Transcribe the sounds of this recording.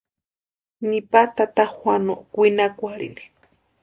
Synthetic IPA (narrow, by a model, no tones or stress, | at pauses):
nipat̪at̪ahwanoʔkʷinakʷaɺḭni̥